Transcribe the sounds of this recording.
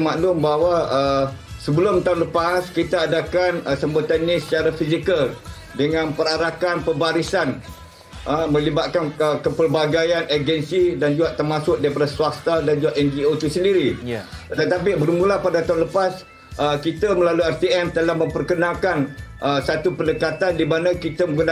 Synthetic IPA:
maʔlʊmbawaəsəbəlʊmt̪aunləpaskit̪aːdakanəsəmbət̪anɲãsə̥t͡ʃaɾafisikəl | dəŋãnpəɾaɾakanpəbaɾisan | ʔəmə̃libat̪̚kanəkəpərbaɡajaned͡ʒɛnsidand͡ʒuɡaʔt̪ərmasʊk̚dapəɾasuast̪adand͡ʒuɡaʔɛnd͡ʒiot̪usəndiɾit̪ət̪ap̬ibərmulapadat̪aunləpas | əkit̪aməlaluiɛrt̪iɛmt̪əlahmə̃mpərkənãlkanʔəsat̪upəndəkat̪andimanãkit̪aməɡuna

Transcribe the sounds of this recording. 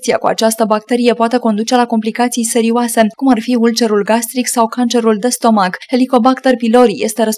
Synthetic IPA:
t̪sia̰kua̰t͡ʃast̪əbak̚t̪e̞ɾije̞poat̪e̞ko̞nd̪ut͡ʃe̞lako̞mplikat̪sijse̞ɾioase̞kumarfiult͡ʃe̞ɾulɡast̪ɾiksawkant͡ʃe̞ɾuld̪e̞st̪o̞maɡhe̞liko̞bakt̪e̞rpilo̞ɾije̞st̪e̞ɾəs

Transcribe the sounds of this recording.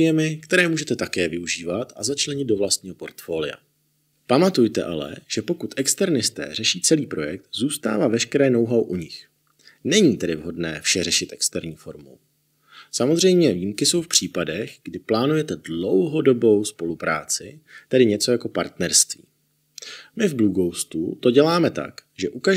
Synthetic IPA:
jɛmɪkt̪ɛɾɛːmuːʒɛt̪ɛt̪akɛːvɪuʒiːvat̪ʔazat͡ʃlɛɲɪd̪̚do̞vlast̪ɲiːɦo̞po̞ɾt̪fo̞ːlɪja̰ | pamat̪ujt̪ɛ̰ʔalɛ̰ʒ̥ɛpo̞kut̪ʔɛkst̪ɛɾnɪst̪ɛ̰ːrɛʃiːt͡sɛliːpɾo̞jɛk̚t̪zuːst̪a̰ːvaːvɛʃkɛɾɛːno̞wɦawʔuɲɪx | nɛɲiːt̪ɛdɪvɦo̞dnɛːfʃɛrɛʃɪt̪ʔɛkst̪ɛɾɲiːfo̞ɾmo̰w | samo̞zr̝ɛjmɲɛviːmkɪso̞wfpr̝̥iːpadɛɣɡdɪplaːnujɛt̪ɛdlo̞wɦo̞do̞bo̞wspo̞lupɾa̰ːt͡sɪt̪ɛdɪɲɛt͡so̞jako̞pa̰ɾt̪nɛɾst̪vḭː | mɪvbluɡowst̪ut̪o̞ɟɛlaːmɛt̪a̰kʒɛʔuka

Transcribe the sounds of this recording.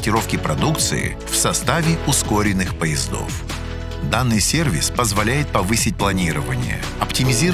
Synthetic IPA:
tʲɪɾo̞fkʲɪpɾɐd̪ukt̪sɨ̰ɪ̰ | fsɐst̪avʲɪʊskoɾʲɪnːɨxpəjɪzd̪o̞̰f | d̪anːɨjsʲe̞rvʲɪspəzvɐlʲæjɪt̪̚pɐvɨsʲɪt̚ʲplˠɐnʲiɾəvənʲɪ̰jə̰ | ɐptʲɪmʲɪzʲi

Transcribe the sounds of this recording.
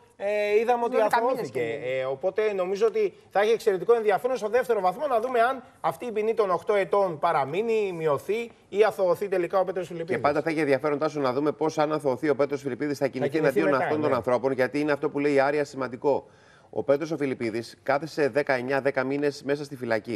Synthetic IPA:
eiðɐmeot̪ɐθooθiceopo̞t̪e̞no̞mizo̞ot̪i | θɐiçie̞kse̞ɾe̞t̪ikoe̞nðiɐfeɾonst̪oðe̞ft̪eɾo̞vɐθmo̞nɐðume̞ɐn | ɐft̪iːpinit̪o̞no̞xt̪o̞e̞t̪o̞npɐɾɐminimio̞θi | iɐθo̞ːθit̪e̞likɐo̞pe̞t̪ɾosfilipiepɐnd̪ɐθɐçienðiɐfe̞ɾo̞nd̪ɐsunɐðume̞po̞sɐnɐθo̞ːθio̞pe̞t̪ɾosfilipiðisθɐciniθienɐd̪io̞nɐt̪ot̪onɐnθɾo̞po̞nʝɐt̪iineɐft̪o̞pule̞iɐɾiɐsimɐnd̪iko̞ | o̰pe̞t̪ɾo̞so̞filipiðiskɐθe̞se̞ðe̞kɐe̞ɲɐðe̞kɐmine̞sme̞sɐst̪ifilɐci

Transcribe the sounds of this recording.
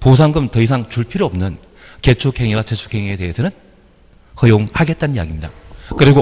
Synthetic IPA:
pos̬ʰaŋɡɯmtʌisʰaŋt͡ɕuɭpʰiɾoʌmnɯn | ke̞t͡ɕʰukʰheŋiwat͡ɕet͡ɕʰu̥kʰeŋiete̞ɦesʰʌnɯn | hʌjoŋhaɡe̞t̚t͈annija̰ɡimɲidakɯɾiɡo

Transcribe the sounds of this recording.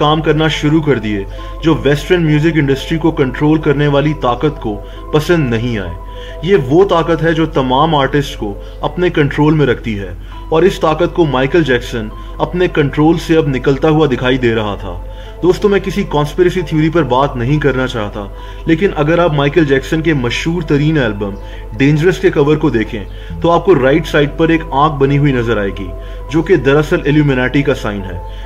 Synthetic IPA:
kaːmkɐɾnaʃʊɾukɐɾd̪ieː | d͡ʒoːʋɛːsʈɾənmjuːzɪkɪ̃ɳɖəsʈɾikokɐ̃ɳʈɾoːlkɐɾneʋaːlit̪aːkət̪ko | pɐsə̃nd̪nɐɦĩa̰ːḛː | jeʋot̪aːkət̪ɦɛd͡ʒoːt̪ɐmaːmaːɾʈɪsʈko | ɐpnekɐ̃ɳʈɾoːlmẽɾɐkʰt̪iɦɛ̰ː | ɔːɾɪst̪aːkət̪̚komaːɪkəld͡ʒɛːksən | ɐpnekɐ̃ɳʈɾoːlseɐbnɪkəlt̪aɦuad̪ɪkʰaːid̪eːɾɐɦat̪ʰa̰ː | d̪oːst̪õmɛ̃ːkɪsikɔ̃ːnspɪɾəsit̪ʰiːɾip̬ɐɾbaːt̪nɐɦĩkɐɾnat͡ʃaːɦt̪a̰ | leːkɪnʔɐɡəɾaːpmaːɪkəld͡ʒɛːksənkemɐʃɦuːɾt̪ɐɾiːnɛːlbə̃m | ɖẽːɲd͡ʒəɾəskekɐʋəɾkod̪eːkʰḛ̃ | t̪oaːp̚koɾaːɪʈsaːɪɖ̚pɐɾeːkãːk̚bɐniɦuinɐzəɾaːeːɡḭː | d͡ʒoːked̪ɐɾɐsəlɪljuːmɪnɛːʈikasaːɪnɦɛ̰ː

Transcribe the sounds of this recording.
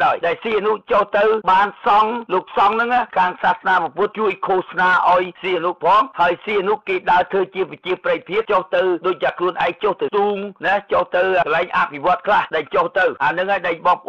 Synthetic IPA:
ɗaɔjɗaɛlsiːʔanuʔt͡ɕoht̪ɨwɓaːnsɑŋloːk̚sɑŋnɨŋaːkʰaːŋsaːsnaːpɑpʊət̪̚t͡ɕuəjkʰoːhsnaːʔaɔjsiːanuʔpʰɑːŋhaəjsiːʔanuʔkeːɗaət̪ʰəːt͡ɕiəpət͡ɕiəprəj̚pʰiəp̚t͡ɕoht̪ɨwɗoːc̚t̪aːkʰluənʔaɛŋt͡ɕoht̪ɨwt̪uːŋnɛt͡ɕoht̪ɨwkəlaɛŋʔapʰiʋŏət̪̚kʰlahɗaɲt͡ɕoht̪ɨwʔaːnɨŋhaːjɗəɲɓɑːŋp̆ʔ

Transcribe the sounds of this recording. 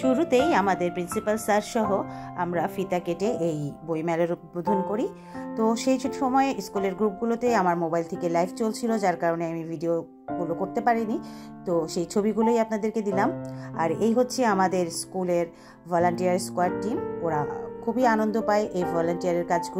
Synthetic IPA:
ʃuɾut̪ejamad̪eɾpɾinsipalsaɾʃɔɦoa̰mɾafit̪akeʈeʔejbojmɛloɾut̪̚bod̪ʱonkoɾi | t̪oʃejt͡ɕʰoʈiʃɔmɔeskuleɾɡɾup̚ɡulot̪ejamaɾmobajlt̪ʰekelajft͡ɕolt͡ɕʰilod͡ʑaɾkaɾoneamivʱiɖio | ɡulokoɾt̪epaɾinit̪oʃejt͡ɕʰobiɡuloejapnad̪eɾked̪ilama̰ɾejɦotːɕʰeamad̪eɾskuleɾ | bʱɔloɳʈijaɾskwaʈʈimoɾa̰kʰubianond̪opaeʔejbʱɔloɳʈijaɾeɾkad͡ʑɡu

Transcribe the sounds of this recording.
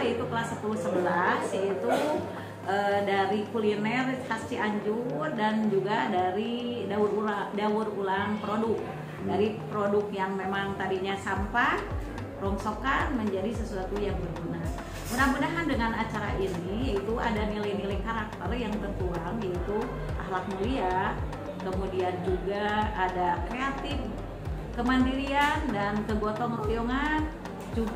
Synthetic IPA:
it̪ukəlasəpuluhsəbəlasjait̪u | ʔədaɾikulinɛrkast͡ʃiaɲd͡ʒʊrdand͡ʒuɡadaɾidauɾuladaʊrulaŋpɾodʊk̚ | daɾipɾodʊkjaŋmemaŋt̪adiɲasampa | ɾoŋsokanməɲd͡ʒadisəsuat̪ujaŋbərbunaɦ | munahmunaɦandəŋanat͡ʃaɾa̰ʔiniit̪uʔa̰danilajnilajkaɾak̚t̪ərjaŋt̪ənt̪uaŋjait̪u | ʔa̰hlak̚nulia | kəmudiand͡ʒuɡaːdakɾeat̪ɪf | kəmandiɾiandankəbot̪ɔŋlijɔŋan | d͡ʒu

